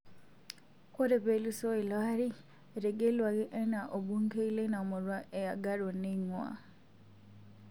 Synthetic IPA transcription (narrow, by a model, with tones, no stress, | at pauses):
ko˦ɾe˨peluso˦i˨laɾi˦ | eɾe˨ɡe˦lwa˨ɣe˦ʔe˦na˨ʔo˨βu˦ŋke˦i˦lena˨mu˨ɾwaʔe˨ja˨ɡaɾo˨niŋwa̰